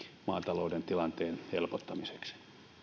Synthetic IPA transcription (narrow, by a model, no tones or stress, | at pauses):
mɑ̰ːt̪ɑloudent̪ilɑnt̪eːnhelpot̪ːɑmise̥ksi̥